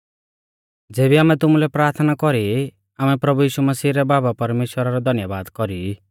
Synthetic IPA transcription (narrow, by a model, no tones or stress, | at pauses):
d͡zeːbiaːmɛ̃t̪ʊmulɛpɾaːɾt̪ʰnakɔɾi | amɛpɾɐbujiːʃumɐsiːɾɛbaːbapɐɾmeːʃwəɾaɾɔd̪ʱɐnjəbaːd̪kɔɾi